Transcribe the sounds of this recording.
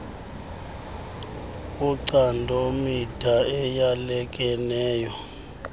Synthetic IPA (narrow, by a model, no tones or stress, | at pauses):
uǀandʱomid̥ʰʱaɛjalɛkʼɛnɛːjɔ